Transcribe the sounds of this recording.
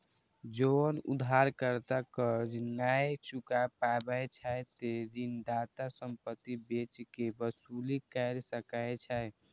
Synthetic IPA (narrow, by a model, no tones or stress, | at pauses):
d͡ʒonṵd̪ʱaɾkəɾt̪akəd͡ʒnajt͡ʃukapabəjt͡ʃʰajt̪eɾind̪at̪asəmpət̪ːibet͡ʃkebəsulikəɾsəkət͡ʃʰaj